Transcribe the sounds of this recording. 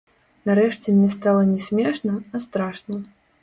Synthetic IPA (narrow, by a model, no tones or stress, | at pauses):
nɐɾɛʂt͡sʲɛmnʲɛst̪alˠɐnʲɛsʲmʲɛʂnɐɐst̪ɾaʂnɐ